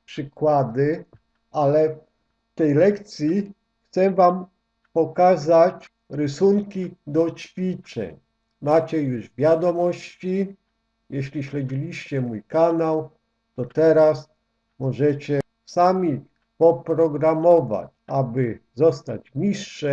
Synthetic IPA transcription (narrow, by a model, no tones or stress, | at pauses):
pʂɘkwad̪ɘ | ʔalɛ | ft̪ɛjlɛkt̪sʲji | xt̪sɛvam | pɔkazat͡ɕ | ɾɘsuŋkʲid̪ɔt͡ɕfʲit͡ʂɛ̰ɲ | mat͡ɕɛjuʐvʲjad̪ɔmɔɕt͡ɕi | jɛɕlʲiɕlɛd͡ʑilʲiɕt͡ɕɛmujkanaw | t̪ɔt̪ɛɾas | mɔʐɛt͡ɕɛ | samʲi | pɔpɾɔɡɾamɔva̰t͡ɕabɘzɔst̪a̰t͡ɕɲiʂːɛ